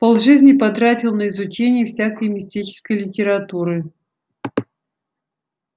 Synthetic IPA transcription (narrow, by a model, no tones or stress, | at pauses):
polˠʐɨzʲnʲɪpɐt̪ɾatʲɪlˠnəɪzʊt͡ɕenʲɪjəfsʲakəjmʲɪsʲtʲit͡ɕɪ̥skəjlʲɪtʲɪɾɐt̪uɾɨ